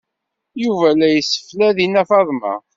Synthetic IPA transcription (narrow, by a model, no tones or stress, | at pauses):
juvælæjsːə̥flæðinæfɑðˤmɑ̰